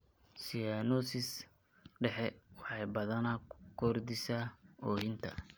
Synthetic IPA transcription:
sijanɔsɪs | ɖɛħɛwɑħɑjbɐðɐnɐkʰɔrd̪ɪsaɔjɪnt̪ʰɐ̰

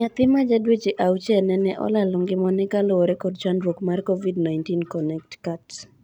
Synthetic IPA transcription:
ɲat̪ɪmad͡ʒadwet͡ʃeʔawt͡ʃɛnɛnɛʔɔ̰lalʊŋɡɪmɔnɛkaloɔɾɛkɔdt͡ʃandɾwokmarkovidnajntinkɔnɛk̚tkats

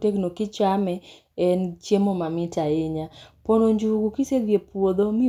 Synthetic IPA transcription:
teknokɪt͡ʃamɛ | ɛnt͡ʃjemomamɪtaɪɲaponoɲd͡ʒuɡukised̪jepwod̪omɪ

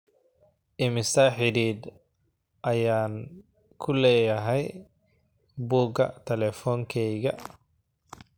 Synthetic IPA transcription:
ʔɪmɪsɐħɪɾiːd̪ | ʔɐjaːŋ | kʰʊlɛːjɐɦɛj | buːɡɐ̰t̪ʰɛlɛfɔːŋkʰɛjɣɐ

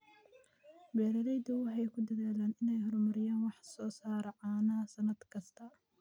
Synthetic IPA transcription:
bɛːɾɐɾɛjd̪ɐwɑħɑjkʰʊd̪ɐðaːlaːnɪnɛjɦɔrmɐɾɪjaːnwɑħsɔːsaːɾɐʕaːnɐsɐnɐd̪kʰɐst̪ʰɐ

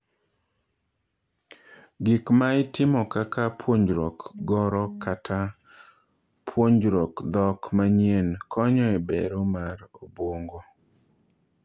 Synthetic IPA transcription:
ɡɪkmaɪtɪmɔkakʰapwoɲd͡ʒɾokɡɔɾɔkatʰa | pʰwoɲd͡ʒɾokd̪ɔkmaɲjenkʰɔɲɔebḛɾomaɾobwoŋɡo

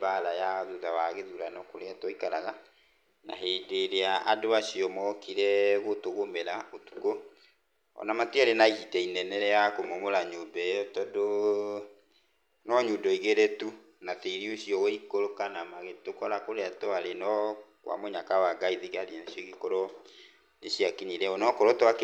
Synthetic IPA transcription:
baɾajaðuðawaɣeðuɾanɔkoɾeatwɔikaɾaɣa | na̰ɦeːdeɾeaʔadoaʃiɔmɔkiɾɛɣotoɣomeɾaotu̥ko | ɔ̰namateaɾenaihitɛinɛnɛɾɛakomomoɾaɲobɛɔtɔdo | nɔɲudɔiɣeɾetu | nateiɾioɕiɔɣoikoɾokanamaɣetokɔɾakoɾeatɔaɾenɔkwʔa̰moɲakawaɡaiðiɣaɾinaʃjɔɣikoɾɔ | neɕjakiniɾɛɔnɔkoɾɔtwak

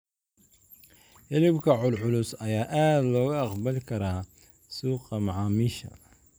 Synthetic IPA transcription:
ʔɛlɪbkʰɐʕʊlʕʊlʊsɐjaːʔaːd̪lɔːɣʊɑqbɐlɪkʰɐɾaː | suːqɑmɑʕɑːmiʃɐ̰

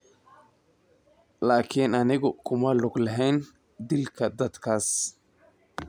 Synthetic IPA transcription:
laːkʰinɐnɪɣɔkʰʊmɐlɔɡlɐɦɛjn | d̪ɪlkʰɐd̪ɐd̪kʰaːs

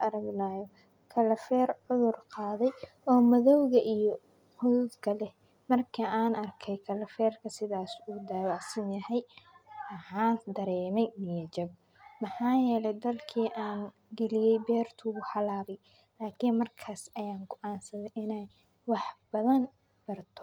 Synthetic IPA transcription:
ʔɐɾɐɡnaːjɔ | kʰɐlɐfɛːrʕʊðʊrqɑːðɛj | ɔːmɐðɔwɣɐʔijɔ | ħʊðuːd̪kʰɐlɛ | mɐrkʰɐaːnɐrkʰɛjkʰɐlɐfɛːrkʰɐsɪðaːsuːd̪aːjɔɑsɪnjɐhɛjɐħaːnd̪ɐɾɛːmɛjnijɐd͡ʒɐɡ | mɑħaːjɛːlɛjd̪ɐlkʰiːʔaːn | ɡɛlɪjɛjbɛːrt̪ʰʊʊħɑlaːβɛj | laːkʰiːnmɐrkʰaːsɐjaːŋɡɔʔaːnsɐðɛʔɪnɛj | wɑħbɐðɐn | b̥ɐrt̪ʰɔ̥

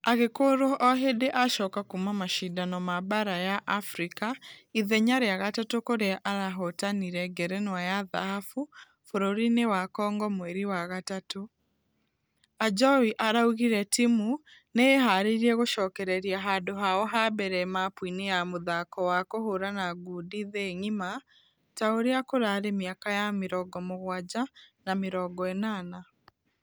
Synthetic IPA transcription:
aɣekoːɾoʔɔɦedeʔaʃɔːkakumamaʃidanɔmaβaɾajaʔafɾikaiðɛɲaɾeaɣatatokoɾeaʔaɾaɦɔtaniɾɛɡɛɾɛnwajaða̰hafu | foɾoɾinewakɔːŋɡɔmwɛɾiwaɣatato | ad͡ʒɔwiʔaɾauɣiɾɛtimuneeɦaɾeɾiɛɣoʃɔːkɛɾɛɾiaɦaːndoɦaɔɦabɛɾɛmapwinejamoðakɔwakohoɾanaɡudiðeɲima | taoɾeakoɾaɾemiakajameɾɔɡɔmoɣwad͡ʑanameɾɔɡɔɛnana

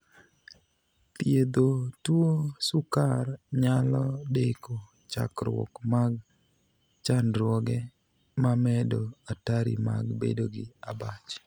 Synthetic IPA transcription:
pjed̪otwosukarɲalɔdeko | t͡ʃa̰kɾwɔ̰kmaɡ̚ | t͡ʃanɾwɔɡɛ | mamɛdoataɾḭma̰ɡbḛdoɡɪabat͡ʃ

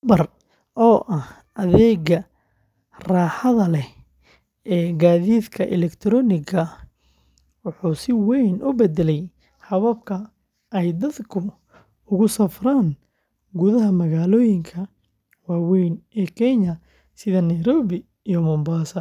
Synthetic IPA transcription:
bɐr | ʔɔːʔɐh | ʔɐðɛːɣɐ | raːħɐðɐlɛ | ɛːɡaːðiːd̪kʰɐʔɛ̰lɛkt̪ʰɾɔːnɪɣɐ | wʊħuːsɪwɛjnʔʊbɛd̪ɛlɛj | hɐβɐb̚kʰɐ | ɛjd̪ɐd̪kʰʊ | ʊɣʊsɐfraːn | ɡʊðɐɦɐmɐɣaːlɔːjɪŋkʰɐ | waːwɛjnɛːkʰɛɲɐ | sɪðɐnɐjɾɔːβɪ | ijɔmʊmbaːsɐ

